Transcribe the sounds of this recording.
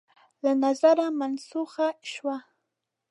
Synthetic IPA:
lanazaɾamansʊɢaɪʃwa

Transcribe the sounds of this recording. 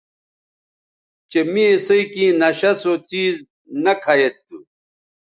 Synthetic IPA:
t͡ɕemĩesɐikĩːnɐɕɐsot͡siːz | nɐkʰɐjet̪ːu

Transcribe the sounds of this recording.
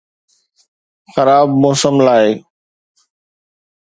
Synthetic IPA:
xəɾaːbmoːsəmlaːeː

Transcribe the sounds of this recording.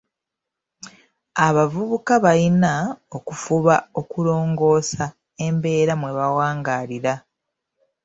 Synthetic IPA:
aβavuβukaβalinao̞kufuβao̞kulo̞ːŋɡo̞ːsa | e̞mbe̞ːɾamwe̞βawaːŋɡaːliɾa

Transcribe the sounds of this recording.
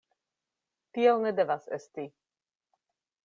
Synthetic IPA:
t̪iɛlnɛd̪ɛvasɛ̰st̪i

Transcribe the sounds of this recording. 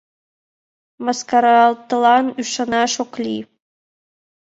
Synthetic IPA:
mɑskɑɾɑlˠt̪ɤ̆lˠɑnyʃɑ̆nɑʃoklʲi

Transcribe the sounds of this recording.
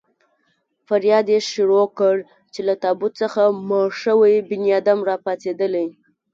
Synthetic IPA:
faɾjɑd̪jeʃʊɽokəɽ | t͡ʃelat̪ɑbʊt̪t͡səxamɑʂəwajbɪnjɑd̪amɾɑpat͡sed̪əlaj

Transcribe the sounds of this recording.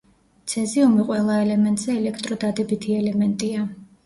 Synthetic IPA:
t̪sʰɛziumiqʼwɛlˠaɛlɛmɛnt̪ʼz̥ɛːlɛkʰt̪ʼɾɔd̪ad̪ɛbit̪ʰiɛlɛmɛnt̪ʼia

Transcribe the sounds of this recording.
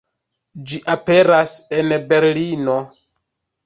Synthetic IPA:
d͡ʒiʔape̞ɾase̞nbe̞ɾlino̞

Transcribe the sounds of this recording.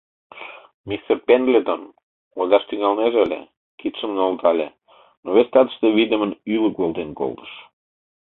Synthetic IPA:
mist̪erpend̪led̪on | ozɑʃt̪yŋɑlneʒəlʲḛ | kit̪ʃəmnolt̪ɑlʲe | noβest̪ɑt̪ə̥ʃt̪eβid̪ə̆mənyləkβolˠd̪enko̰lt̪ə̥ʃ

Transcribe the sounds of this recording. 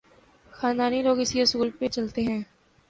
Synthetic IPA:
xaːnd̪aːniloːɡɪsiɦʊsuːlpet͡ʃɐlt̪eɦɛ̃ː

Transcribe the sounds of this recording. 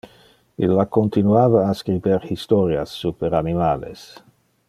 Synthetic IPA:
ilːakont̪inuaːvaːskɾiberhist̪oɾja̰sːupeɾanimaːlḛs

